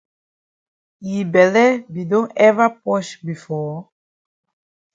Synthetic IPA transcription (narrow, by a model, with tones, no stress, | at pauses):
i˨bɛ˨lɛ˦bi˨dõ˦ʔɛvapɔʃbi˨fɔː˦